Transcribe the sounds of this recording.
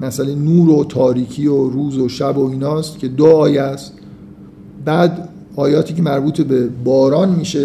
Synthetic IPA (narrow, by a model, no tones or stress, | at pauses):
mæsælejnuːɾot̪ʰɒːɾiːcʰioɾuːzoʃæbo̞iːnɒːst̪cʰe̞d̪oɒːjeæst̪ | bæːd̪ | ɒːjɒːt̪ʰiːcʰe̞mæɾbuːt̪ʰebebɒːɾɒːnmiːʃe